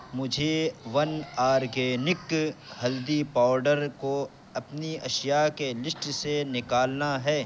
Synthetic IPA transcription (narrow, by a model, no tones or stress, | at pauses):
mʊd͡ʒʱeʋɐnaːɾkenɪkhɐld̪ipaːʊɾɖəɾko | ɐpniɐʃjakelɪsʈsenɪkaːlnaɦɛː